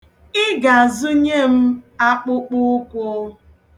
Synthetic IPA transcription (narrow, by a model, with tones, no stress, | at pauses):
ɪ˦ɡa˨a˨zʊ˦ɲe˦˨m̩˦a˦k͡pʊ˦k͡pʊ˦kʷʊ˦